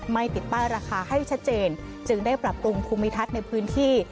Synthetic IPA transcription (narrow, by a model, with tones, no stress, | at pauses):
ma˥˩jt̪i˨˩t̪̚paː˥˩ɾaː˧kʰaː˧ha˥˩jt͡ɕʰa˦˥t̪̚t͡ɕeː˧n | t͡ɕɯ˧ŋdaː˥˩jpɾa˨˩p̚ɾu˧ŋpʰuː˧mːi˦˥t̪ʰa˦˥t̪̚na˧jpʰɯː˦˥nt̪ʰiː˥˩